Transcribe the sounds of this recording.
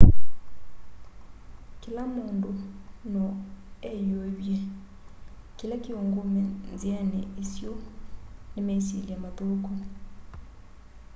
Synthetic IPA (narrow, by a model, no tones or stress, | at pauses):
kilamondonɔɛjobje | kilakioŋɡomɛnzianɛʔisjo | nemesiljamaðokɔ